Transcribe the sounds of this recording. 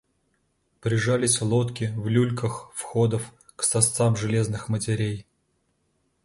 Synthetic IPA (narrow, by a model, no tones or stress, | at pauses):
pɾʲɪʐalʲɪsʲlˠot̪kʲɪvlʲulʲkəxfxod̪əf | ksɐst̪samʐɨlʲe̞znɨxmətʲɪɾʲej